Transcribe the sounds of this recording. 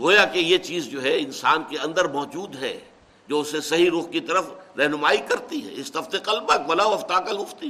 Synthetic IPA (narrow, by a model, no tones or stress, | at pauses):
ɡoːjakejet͡ʃiːzd͡ʒoːɦɛɪnsaːnkeɐ̃nd̪əɾmɔːd͡ʒuːd̪ɦɛ̰ː | d͡ʒoːʊsesɐɦiɾʊqkit̪ɐɾəfɾɛɦnʊmaːikɐɾt̪iɦɛ̰ɪst̪ɐft̪eqɐlbɐkʋɐlaɐft̪aːkəlɦʊft̪i